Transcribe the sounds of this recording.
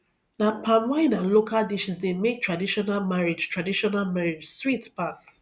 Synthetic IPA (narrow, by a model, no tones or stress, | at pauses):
nãpʰãnwãɪ̃nãlokʰaldiʃĩsdemek̚tʰɹadiʃɔnalmaɹed͡ʒtʰɹadiʃɔnalmaɹed͡ʒswitpas